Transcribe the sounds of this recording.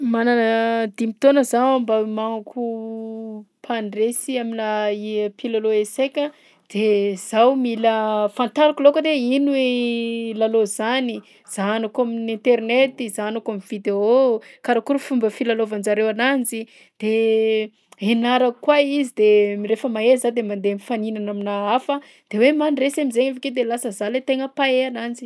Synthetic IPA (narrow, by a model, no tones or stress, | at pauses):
mananəd̪imit̪onəzawambəmaŋukʰu | pʰaɳresiaminaipilaloesejkʲə | d̪̥ez̥awmiləfant̪aɾakulokaneinuelalozani | z̥anakaminẽnt̪eɾnet̪izanakamivid̪eokaɾakuɾəfumbəfilalovand͡zaɾewanand͡zi | d̪̥e | enaɾakwaizid̪emiɾefəmaezad̪emand̪eamifaninanaminaafə | d̪̥ewemanresemizeŋaveked̪elasəzalet̪eŋəpaeanand͡zi̥